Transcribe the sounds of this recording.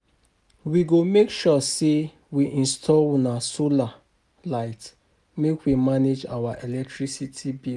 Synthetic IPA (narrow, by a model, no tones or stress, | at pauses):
wiɡomekʃɔse | wiʔĩnstʰɔlnasola | laɪt | mekwimaned͡ʒa̰waʔɛlɛk̚tɹisitʰibi